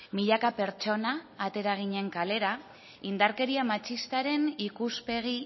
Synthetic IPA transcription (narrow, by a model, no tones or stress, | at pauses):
miʎakape̞ɾt͡ʃo̞naːt̪e̞ɾaɣ̞iɲe̞ŋkale̞ɾa | ind̪aɾke̞ɾiamat͡ʃist̪aɾe̞nikuspe̞ɣ̞i